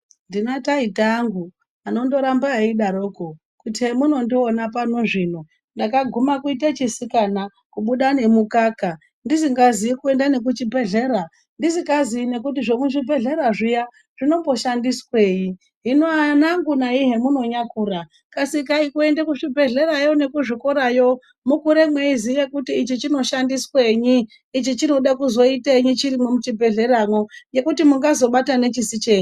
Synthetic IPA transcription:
ndinotaitaːŋɡu | ano̞ndo̞ɾambaiɗaɾo̞ko | kutiɦe̞muno̞ndionapanoʐino | ndakaɡʱumakuit̬at͡ʃisikana | kuɓuɗane̞mukaːka | ndisiŋɡaziikue̞ndane̞k̬ut͡ʃibʱe̞ɮe̞ɾa | ndiziŋɡazine̞k̬ut̬iʐo̞muʐibʱe̞ɮe̞ɾaʐija | ʐ̥ino̞mbo̞ʃandiswe̞ːji | ɦinoanaŋɡunaiɦe̞muno̞ɲakuːra | kasikaikuendekuʐibʱe̞ɮe̞ɾajo̞ne̞kuʐikoɾajo̞ | mukuɾe̞mwe̞izijekutiːt͡ʃit͡ʃino̞ʃandisweɲiː | t͡ʃit͡ʃino̞ɗakuzo̞itaiɲit͡ʃiɾimomut͡ʃibʱe̞ɮe̞ɾamwoje̞kutimuŋɡazo̞ɓatane̞t͡ʃisit͡ʃe̞ːɲi

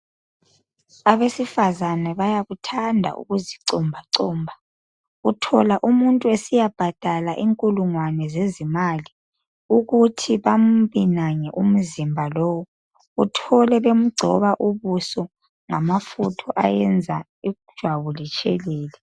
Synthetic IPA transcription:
aβesifazanɛβajaɣutʰandʱa̰ʔṵɣuziǀɔmbʱaǀɔːmbʱa | utʰɔlaʔumuntʼuesijab̥ʱad̥ʱalaʔiŋkʼuluŋwanɛzezimali | uɣutʰiβam̩βinaɲɛʔum̩zimbʱalɔwɔ | utʰɔlɛβem̩ɡ͡ǀʱɔ̰βaʔuβusɔ | ŋamafutʰɔʔa̰jɛnd͡zʱa | id̥ʒ̥ʱwaβulit͡ʃʰʼɛ̰lɛːlɛ

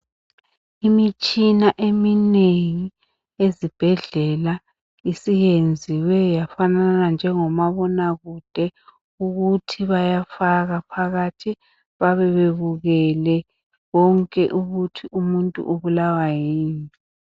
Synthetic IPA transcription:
imit͡ʃʼinaʔemineŋi | ezib̥ʱɛɮɛla | isijend͡zʱiwɛjafananand͡ʒʱɛŋɔmaβɔnaɣud̥ʱɛ | uɣutʰiβajafaɣapʰaɣatʰi | βaβɛβeβuɣɛlɛ | ɣɔŋkʼɛʔuɣutʰiʔumuntʼṵʔuβulawajiːni

